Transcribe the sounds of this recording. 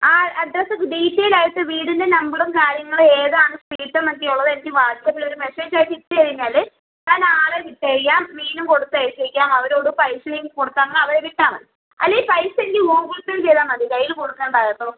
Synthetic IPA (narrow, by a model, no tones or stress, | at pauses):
aːɐd̪ɾɐsɨɖiːtːejilaːjɐt̪ːɨʋiːɽindenɐmbiɽumkaːɾjɐŋːɐɭeːðaːɳɨspiːʈːɐmɐk̪ːiuɭːɐðenikʲːiʋaːd͡ʑjɐpːilo̞ɾume̞se̞ːd͡ʑaːjʈːitːɨɐɻiɲːaːlɨ | t̪aːnaːɭeʋiʈːɐɐɻijːaːmmiːnumko̞ɽut̪ːɨejsɐɾikʲːaːmɐʋɐɾoːɽupɐjsɐlejuŋko̞ɽut̪ːaːnːɐʋɐɾeʋiʈːaːmɐn | ɐ̰lːeipɐjseŋɡilɦoːɡultːilt͡ɕejðaːmɐðikɐjilkoɽukːeːɳɖaːjt̪ːoː